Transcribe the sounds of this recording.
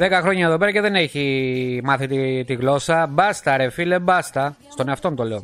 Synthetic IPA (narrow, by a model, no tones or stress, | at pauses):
ðekɐxɾo̞ɲɐeðo̞peɐceðe̞neçimɐθit̪it̪iɣlo̞sɐbɐst̪ɐɾefile̞bɐst̪ɐ | st̪o̞neɐft̪o̞nt̪ole̞o